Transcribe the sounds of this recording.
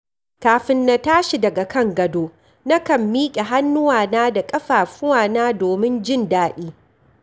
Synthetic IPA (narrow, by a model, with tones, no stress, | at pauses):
kaː˨ɸɪ˦nːa˦taː˦ʃi˨dɐ˨ɡa˨kɐ˦ŋɡɐ˨doː˦ | nɐ˦kɐ˨mːiː˦kʲʼe˨ɦa˦nːʊ˦waː˨naː˦da˨kʼɐ˦ɸaː˨ɸʊ˦waː˨naː˦doː˨mɪ˦nd͡ʒɪ˦˨ndaː˦ɗiː˦